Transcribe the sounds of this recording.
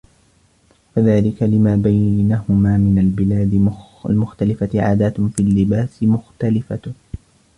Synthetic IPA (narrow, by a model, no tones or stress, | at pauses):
faðaːlɪkalɪmaːbajnaːhʊmaːmɪnalbɪlaːd̪ɪ | a̰lmʊxt̪alɪfat̪ɪʕa̰ːd̪aːt̪fiːlːɪbaːsɪmʊxt̪alɪfa